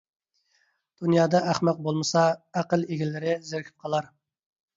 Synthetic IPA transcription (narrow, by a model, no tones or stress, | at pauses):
d̪̥unjɑːd̪ɑʔæχmɑq̚bolˠmɨsɑæqəlˠeɡʲilːɪɾɪzɪɾkʲʰy̥p̚qʰɑlˠɑɾ